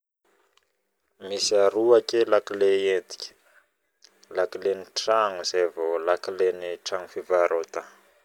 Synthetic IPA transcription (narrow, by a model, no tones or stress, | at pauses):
misiaɾuakelakileend̪i̥kʲ | lakileniʈ͡ʂaŋuzevolakileniʈ͡ʂaŋufivaɾot̪a